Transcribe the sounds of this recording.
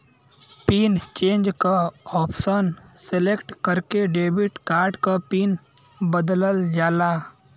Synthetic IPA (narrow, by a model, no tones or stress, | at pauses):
piːnt͡ʃẽːnd͡ʒkaɔːpʰsənselekʈkəɾkeɖeːbɪʈkaːɾɖkapiːn | bəd̪ləld͡ʒaːlaː